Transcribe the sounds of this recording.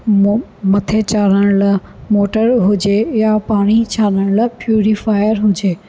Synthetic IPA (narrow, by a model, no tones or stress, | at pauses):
mɐt̪ʰet͡ɕaːnəɽ̃lmoːʈəɾɦʊd͡ʑejapaːɽ̃it͡ɕʰaːɗəɽ̃lpjuːɾifaːɪəɾɦʊd͡ʑeː